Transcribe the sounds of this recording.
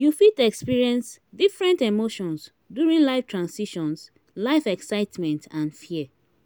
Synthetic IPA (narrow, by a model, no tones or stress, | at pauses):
jufitɛkspiɹiɛ̃nsdifɹɛ̃ntemoʃɔ̃ns | djuɹĩnlaɪftʰɹãnsiʃɔ̃ns | laɪfɛksaɪtmɛ̃ntʰãnfiɛ